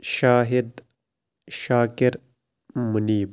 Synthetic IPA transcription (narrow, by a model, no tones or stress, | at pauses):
ʃaːɦid̪ | ʃaːkiɾ | muniːb